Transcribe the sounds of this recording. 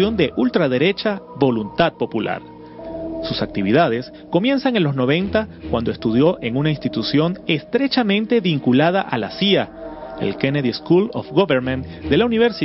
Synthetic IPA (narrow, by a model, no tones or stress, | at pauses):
jo̞nd̪e̞ʔult̪ɾaðe̞ɾe̞t͡ʃaβo̞lunt̪að̚po̞pula̰ɾ | susak̚t̪iβ̞iðað̞e̞s | ko̞mjẽ̞nsaŋenlo̞zno̞β̞e̞nt̪akwa̰nd̪o̞est̪uð̞jo̞ʔe̞ŋunainst̪it̪usjo̞ne̞st̪ɾe̞t͡ʃamẽnt̪e̞βiŋkulað̞aʔalasiaḛlkeneðieskulo̰fɡoβeɾmẽnt̪ | d̪e̞launiβeɾsi